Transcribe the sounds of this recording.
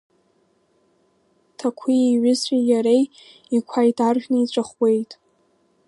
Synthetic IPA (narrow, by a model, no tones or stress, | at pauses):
tʰakʷʰieɥʊzijaɾej | ikʷʰajtʰarʒᶣnɨit͡ɕʷʼaχwe̞jtʼ